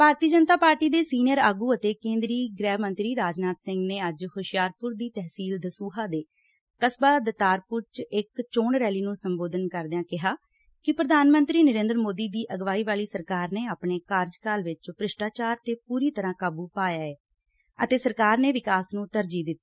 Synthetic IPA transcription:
paːɾt̪iːəd͡ʒənt̪aːpaːɾʈiːd̪eːsiːnjəɾaːɡuːət̪eːkẽːnd̪ɾiːɡɾɛːɦmə̃nt̪ɾiːɾaːd͡ʒnaːt̪sɪ̃ŋɡneːəd͡ʒhoːʃɪjaːɾpʊɾd̪iːt̪ɛɦsiːld̪əsuːɦaːd̪eː | kəsbaːd̪ət̪aːɾpʊɾt͡ʃɪkt͡ʃoːɳɾɛːliːnũːsəmboːd̪ənkəɾd̪jãːkɪɦaː | kɪpɾəd̪ʱaːnmənt̪ɾiːnəɾẽːnd̪ɾmoːd̪iːd̪iːʔəɡʋaːiːʋaːliːsəɾkaːɾneːaːpɳeːkaːɾd͡ʒkaːlʋɪt͡ʃpɾɪʃʈaːt͡ʃaːɾt̪eːpuːɾiːt̪əɾãːkaːbuːpaːjaːeː | ə̰t̪eːsəɾkaːɾneːʋɪkaːsnũːt̪əɾd͡ʒiːd̪ɪt̪ːiː

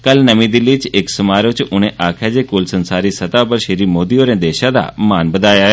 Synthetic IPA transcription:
kɐlnəʋĩd̪ɪlːit͡ʃɪksɐmaːɾot͡ʃʔʊñ̤ẽʔaːkʰad͡ʒekʊlsənsaːɾisɐt̪apɐɾʃeɾiːmoːd̪ioɾẽːd̪eːʃãd̪a̰maːnbəd̪aːjaɦ

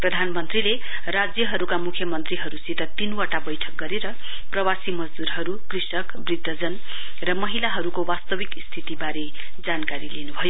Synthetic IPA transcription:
prʌd̪ʱanmʌnt̪rile | rad͡zjʌɦʌɾukamukʰjʌmʌnt̪riɦʌɾusit̪ʌt̪inwaʈabʌjʈʰʌk̚ɡʌɾeɾʌ | prʌwasimʌd͡zd̪uɾɦʌɾukrisʌkbrid̪ʱːʌd͡zʌn | rʌmʌɦilaɦʌɾukowast̪ʌbikst̪ʰit̪ibaɾe | d͡zankaɾilenubʱʌjo

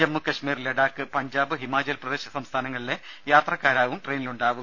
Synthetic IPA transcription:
d͡ʑɐmːukɐɕmiːrleɽaːkːɨpɐɲd͡ʑaːbɨɦimaːd͡ʑɐlprɐd̪eːɕɐsɐmst̪ʰaːnɐŋːɐɭile | jaːt̪rɐkːaːɾaːʋumʈreːniluɳɖaːʋum

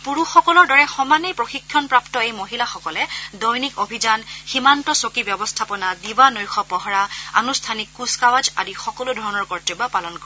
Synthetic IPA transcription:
puɹuxɔkɔlɔɹdɔɹɛxɔmanejpɹoxikʰːjɔnpɹaptɔejmoɦilaxɔkɔlɛdɔjnikobʱid͡ʒanximantɔsokibjɔbɔstʰapɔnadiwanɔjxɔpɔɦɔɹaa̰nustʰanikːuskawad͡ʒa̰dixɔkɔlʊdʱɔɹnɔɹkɔɹtibapalɔnkɔɹɛ

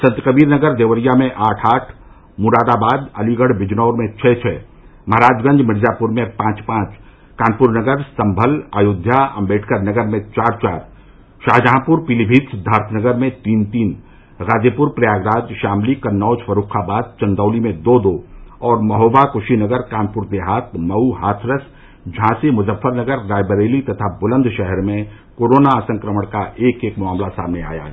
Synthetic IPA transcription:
sɐ̃nt̪kəbiːɾnəɡəɾd̪eːʋəɾijamẽʔaːʈʰaːʈʰ | mʊɾaːd̪abaːd̪ɐliɡəɽbɪd͡ʒnɔːɾmẽt͡ʃʰɛt͡ʃʰɛː | mɐɦɾaːd͡ʒɡɐ̃ɲd͡ʒmɪɾzaːpʊɾmẽpãːt͡ʃpãːt͡ʃ | kãːnpʊɾnəɡəɾsɐ̃mbʱəla̰ːjʊd̪ʱjaɐ̰̃mbeːʈʰkəɾnɐɡəɾmẽt͡ʃaːɾt͡ʃa̰ːɾ | ʃaːɦd͡ʒəɦãpuɾpilibʱiːt̪sd̪ʱaːɾt̪ʰnəɡəɾmẽt̪iːnt̪iːn | ɾaːd͡ʒepʊɾpɾɐjaːɡɾaːd͡ʒʃaːmlikɐnːɔːd͡ʒfɐɾuːkʰabaːd̪̚t͡ʃɐ̃nd̪ɔːlimẽd̪oːd̪oːɔːɾmɐɦoːʋakʊʃinəɡəɾkãːnpʊɾd̪eɦaːt̪̚ʰmɐuɦaːt̪ʰɾəs | d͡ʒʱãːsimʊzəfːəɾnəɡəɾɾaːjbəɾeːlit̪ɐt̪ʰabʊlə̃nd̪ʱʃɛɦɛɾmẽ | koːɾoːnaːsə̃ŋkɾəməɽ̃kaʔeːkeːkmʊaːmlasa̰ːmnea̰ːja̰ː

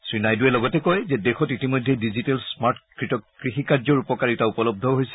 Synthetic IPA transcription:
sɹinajduɛlɔɡɔtɛkojzɛdexɔtitimojdʱedizitɛlsmaɹtkɹitɔkkɹixikaɹzɔɹupɔkaɹitaupɔlɔb̚dʱɔɦojsɛ

